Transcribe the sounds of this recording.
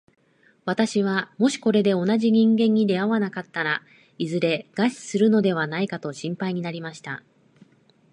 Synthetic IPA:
βat̪aɕiβ̞amo̞ɕi̥ko̞ɾe̞d̪e̞o̞naʑiɲ̟ĩŋɡẽ̞ɲ̟ːid̪e̞aβanakat̪ːaɾa | izɨɾe̞ɡ̥aɕi̥sɨɾɯ̟no̞d̪e̞β̞anaikat̪o̞ɕĩmpaiɲ̟inaɾʲimaɕi̥t̪a

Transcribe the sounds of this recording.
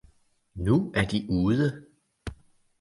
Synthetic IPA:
nuæɐd̥iʔuːð̞ˠə

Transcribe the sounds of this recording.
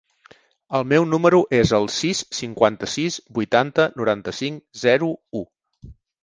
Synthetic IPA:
əlˠmɛwnuməɾuʔezəlˠsisːiŋkwant̪əsizbujt̪ant̪ənuɾant̪əsiŋzɛɾuu

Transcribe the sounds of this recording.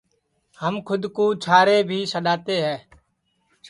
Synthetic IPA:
həmkʰʊd̪kũːt͡ʃʰaːɾeːbʱiːsəɗaːt̪eːɦɛː

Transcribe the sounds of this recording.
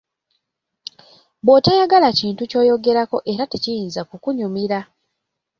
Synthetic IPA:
botajaɡalaciːntuco̞ːjo̞ɡe̞ɾako̞ʔe̞ɾatecijiːnzakukuɲumiɾa

